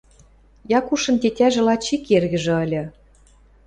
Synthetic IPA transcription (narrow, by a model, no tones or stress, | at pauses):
jɑkuʃɤ̆nt̪et̪ʲæʒĕlɑt͡ɕikerɣə̆ʒĕə̆lʲɤ̆